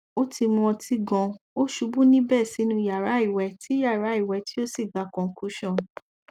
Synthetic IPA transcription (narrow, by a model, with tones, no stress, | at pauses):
o˦ti˧mũ˧ɔ̃˧ti˦ɡɔ̃˧o˦ʃu˨˧˦bũ˦nĩ˦bɛ˦˨si˨˦nũ˧i˧ja˨ɾa˨˦i˦˨wɛ˨˦ti˦ja˦˨ɾa˨˦i˦˨wɛ˧˦ti˦o˦si˦˨ɡ͡ba˨˦kɔ̃˨˦kʰu˦ʃɔ̃˦˨